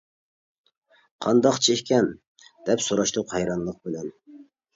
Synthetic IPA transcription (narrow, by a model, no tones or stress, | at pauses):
qʰɑnd̪ɑqt͡ʃʰehkʲɛn | d̪̥ɛpsoɾɑʃt̪uqhɛjɾɑnlˠəq̚bɪlɛn